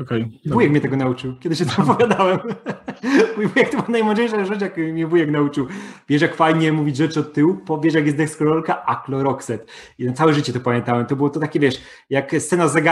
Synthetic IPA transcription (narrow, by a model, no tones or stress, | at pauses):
ɔkɛjbujɛkmʲjɛt̪ɛɡɔnaut͡ʂɨwkʲɛd̪ɪɕːɛt̪ʰɛɔpɔvʲjad̪awɛm | ujɛbujɛkt̪ɔbɨwanajmwɔd͡ʑejʂaʐɨt͡ɕjakmʲɲɛbujɛknaut͡ʂɨwvʲjɛʂjakfajɲɛmuvʲid͡ʑʐɛt͡ʂɨɔt̪̚t̪ːɘwupɔvʲjɛʂ̬jak̬jɛsd̪ɛkskɔlɔlkaʔaklɔɾɔksɛt̪ | inat̪sawɛʐɘt͡ɕɛt̪ɔpamʲjɛ̃nt̪awɛmt̪ɔbɨwɔt̪ɔt̪akʲɛvʲjɛʂ | jakssɛnazɛɡa